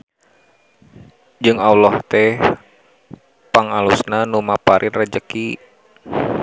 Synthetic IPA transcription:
d͡ʒɨŋawlɔht̪ɛh | paŋalusnanumapaɾʔɪnrəd͡ʒəki

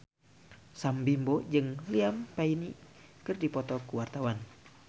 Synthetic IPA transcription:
sambimbɔd͡ʒɨŋliampainikɨrdipɔt̪ɔkuwart̪awan

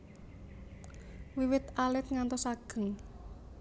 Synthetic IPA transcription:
wiwɪt̪alɪt̪̚ŋant̪ɔsaɡ̥ə̤ŋ

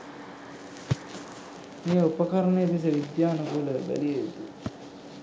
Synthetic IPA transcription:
meːupəkɐɾənejepis̬əʋid̪jaːnɐkuləbæ̰lijeet̪u

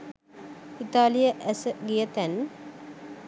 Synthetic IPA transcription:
it̪aːlijəʔæsəɡijət̪æn

